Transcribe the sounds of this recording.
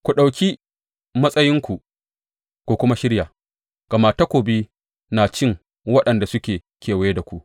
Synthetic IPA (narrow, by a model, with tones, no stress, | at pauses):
kʷu˨ɗa˨wkʲi˦ | mɐ˦sʼɐ˦jɪ˦ŋkʷu˨ʔ | kʷoː˦kʷʊ˦ma˦ʃɪ˦ɽja˨ | ɡ̥ɐ˨ma˦˨ta˦kʷoː˨biː˦ | naː˨t͡ʃɪ˦ŋ | wɐ˦ɗɐ˨nda˨sʊ˦kʲeː˨ | kʲeː˨wje˦da˨kʷu˦ʔ